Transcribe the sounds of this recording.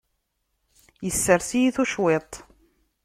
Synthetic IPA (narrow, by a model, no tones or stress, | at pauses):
jəsːəɾθijiθuʃwet̪ˤ